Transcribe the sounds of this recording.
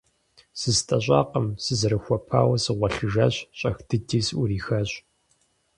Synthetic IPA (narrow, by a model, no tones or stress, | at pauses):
sɨztʼɐɕʷʼɑ̰ːqəmsɨzɨɾɨxʷɔpʰa̰ːwɐsɨʁʷɐɬɨʒɐɕɕʼɐxd̥ɨdiːsʊɾiːxɐɕ